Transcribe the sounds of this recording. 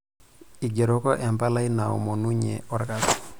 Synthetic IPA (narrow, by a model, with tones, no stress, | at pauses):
i˨ɡe˨ɾo˦kɔ˦ʔɛ˨mpa˦la˦i˦na˨ɔ̰˨mo˨nu˦ɲḛ˨ɔ˦ɾka˨s